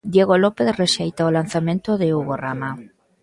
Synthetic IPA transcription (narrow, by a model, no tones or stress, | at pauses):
d̪jeɣolopeθreʃejt̪aolan̟θamẽnt̪oðeuɣorama